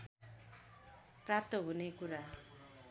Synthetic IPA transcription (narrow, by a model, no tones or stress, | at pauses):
prap̚t̪ʌɦunekuɾa